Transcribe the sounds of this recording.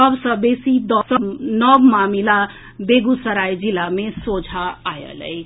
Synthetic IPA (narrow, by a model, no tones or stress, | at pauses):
ʌbsʌ̃besid̪ɔsʌnʌbmamila | beɡusəɾajd͡ʒilamesod͡ʒʱaajə̰lə̰j